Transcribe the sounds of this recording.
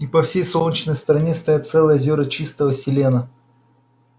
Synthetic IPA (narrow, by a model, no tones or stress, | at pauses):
ipɐfsʲejsolˠnʲit͡ɕnəjst̪əɾɐnʲest̪ɐjat̪sɛlˠəjəzʲoɾət͡ɕist̪əvəsʲɪlʲenə